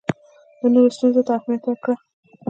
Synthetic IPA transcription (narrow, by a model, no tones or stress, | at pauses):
d̪̥ənoɾost̪unzot̪ɑxmiat̪akɽa